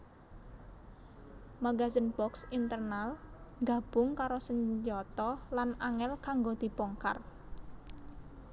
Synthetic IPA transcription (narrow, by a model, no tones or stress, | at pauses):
maɡazənbɔksint̪ərnalŋɡa̤b̥ʊŋkaɾosəɲd͡ʒɔt̪ɔlanaŋɛlkaŋɡod̪̥i̤pɔŋka̰r